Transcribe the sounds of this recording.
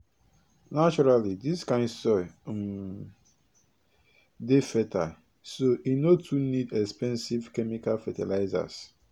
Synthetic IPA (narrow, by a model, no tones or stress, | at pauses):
nat͡ʃɔɾalidiskãɪ̃nsɔjm̩ | defɛtʰa | soʔinotʰunidɛkspɛ̃nsivkɛmikalfɛtɛlaɪza̰s